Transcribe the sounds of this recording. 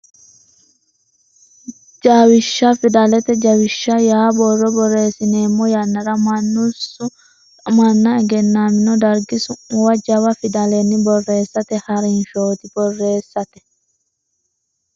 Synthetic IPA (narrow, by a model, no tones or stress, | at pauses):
d͡ʒaːwɪʃːɐfɪd̪ɐlɛt̪ɛd͡ʒɐwɪʃːɐjaːbɔrːɔbɔrːe̞ːsɪneːmːɔjɐnːɐɾɐmɐnːʊs | mɐnːɐɛɡɛnːaːmɪnɔd̪ɐɾɡɪsʊwɐd͡ʒɐwɐfɪd̪ɐlɛnːɪbɔrːeːsːɐt̪ɛhɐɾɐɪnʃoːt̪ɪb̥ɔrːe̞ːsːɐt̪ɛ̥